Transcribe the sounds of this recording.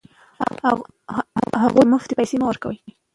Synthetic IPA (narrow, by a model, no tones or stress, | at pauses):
ha̰ɣumʊft̪ipajsemawəɾkawə̰lki